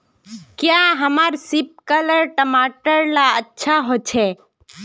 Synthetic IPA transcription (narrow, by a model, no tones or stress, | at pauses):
kjaɦəmaːɾsɪp̚kələɾʈəmaːʈəɾlaətːʃʰaɦoːt͡ʃʰe